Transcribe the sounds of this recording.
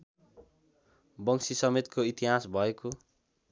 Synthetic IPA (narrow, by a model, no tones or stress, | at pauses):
bʌŋsisʌmet̪kʰoit̪iɦasbʱʌeko